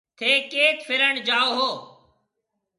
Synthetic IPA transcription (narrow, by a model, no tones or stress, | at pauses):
t̪ʰeːkeːt̪fʰɪɾəɳd͡ʒaːoːɦoː